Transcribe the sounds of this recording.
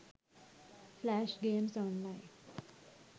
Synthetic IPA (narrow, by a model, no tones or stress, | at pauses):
flæʃɡemsɔnlaɪ̃n